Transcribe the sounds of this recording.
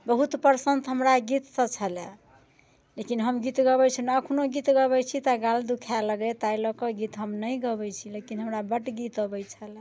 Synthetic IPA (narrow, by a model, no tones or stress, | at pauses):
bəɦut̪pəɾsənt̪ɦəmɾaɡit̪sət͡ʃʰəle | lekinɦəmɡit̪ɡəβɛjt͡ʃʰinːkʰunoɡit̪ɡəβɛjt͡ʃʰit̪aɡald̪ukʰaləɡɛt̪ajlɔkɔɡit̪ɦəmnəjɡəbɛjt͡ʃʰilekinɦəmɾabəʈɡit̪əbəjt͡ʃʰəl